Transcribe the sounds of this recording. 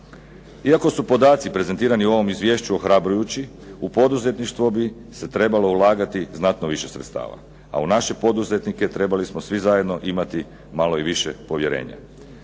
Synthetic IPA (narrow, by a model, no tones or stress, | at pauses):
iako̞supo̞d̪aːt̪sipɾe̞ze̞nt̪iːɾaniuo̞ʋo̞mizʋʲje̞ːʃt͡ɕuo̞xɾabɾujut͡ɕi | upo̞d̪uze̞t̪niʃt̪ʋobi | se̞t̪ɾe̞balo̞ulˠaːɡat̪iznat̪noʋiʃe̞sɾet̪st̪a̰ːʋa̰ | a̰unaʃe̞po̞d̪uze̞t̪nike̞t̪ɾe̞balismosʋizaje̞d̪no̞ʔimat̪i | malo̞iʋiʃe̞po̞ʋje̞ɾḛːɲa̰